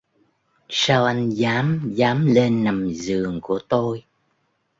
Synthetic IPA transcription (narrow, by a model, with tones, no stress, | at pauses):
saː˧wʔa˧jŋzaː˨˦mzaː˨˦mle˧nːa˨˩mzɨ˨˩əŋku˧˩ət̪o˧j